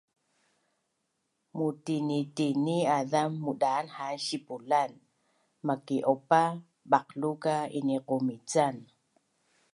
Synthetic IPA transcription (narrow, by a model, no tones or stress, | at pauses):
mutinitiniaðamːuɗaːnhaʃipulan | makiʔopa | ɓaqlukainiqomit͡san